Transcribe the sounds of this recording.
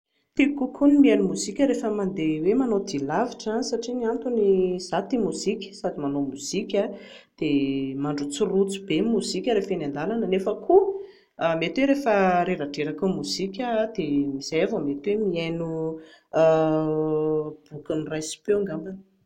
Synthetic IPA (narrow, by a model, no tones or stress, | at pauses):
t̪ekukʰunimianumuz̥ikʲəɾefəmand̪ewemanod̪ilaviʈ͡ʂasaʈ͡ʂiniant̪uniz̥at̪imuz̥ikʲə̥sad̪imanomuz̥ikʲa | d̪̥emaɳɖ͡ʐut͡sirut͡su̥bemuzikʲəɾefenand̪alanənefəkʰu | met̪weɾefəɾeɾaʈ͡ʂeɾakumuz̥ikʲəd̪̥emiz̥ajavəmet̪wemiajnu | b̥ukunirajsi̥peŋɡambanə̥